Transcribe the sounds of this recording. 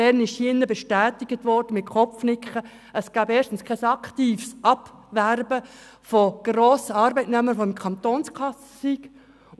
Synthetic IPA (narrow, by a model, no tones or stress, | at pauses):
ɛɾnɪʃhjɪnːəbɛʃtæːt̪ɪɡət̪ʋɔrd̥əmɪt̚kʰɔfnɪkχə | əsɡ̥æːbeːʃtn̩skʰɛsɑkʰt̪iːfsʔɑpʋærbə | foɡ̥roːsəɑːɾbɛɪtnɛməɾfoɪmkʰɑnt̪oːnskʰɑsə̥siɡ̥